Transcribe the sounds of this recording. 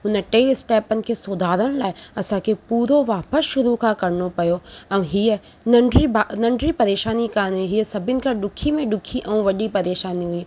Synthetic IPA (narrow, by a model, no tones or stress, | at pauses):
ɦʊnəʈeːɪsʈɛːpənɪ̆kʰeːsoːd̪ʱaːɾəɽ̃laːɪɐsãkʰepuːɾoʋaːpəsʃʊɾukʰãkɐɾnopɐjoɛ̃ːɦiə | nɐɳɖianɐ̃ɳɖɾipɐɾeːʃaːnikaːniɦiəsɐbʱɪnɪ̆kʰãɗʊkʰimẽɗʊkʰiʔɛ̃ːʋɐʄipɐɾeːʃaːniɦʊiː